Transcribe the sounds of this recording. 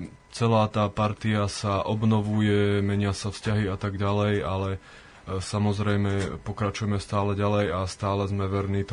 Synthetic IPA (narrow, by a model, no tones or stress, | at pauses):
t͡sɛlaːt̪aːpaɾt̪iasaʔɔbnɔʋujɛmɛɲɪasafscaɦiat̪aɡɟalɛjalɛ | samɔzɾɛjmɛpɔkɾat͡ʃujɛmɛst̪aːlɛɟalɛjast̪aːlɛzmɛʋɛɾniːt̪